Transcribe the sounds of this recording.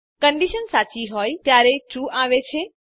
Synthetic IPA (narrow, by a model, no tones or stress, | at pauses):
kə̃ɳɖiʃənsaːt͡ʃiɦoːjt̪jaːɾet͡ʃũʔaʋet͡ʃʰe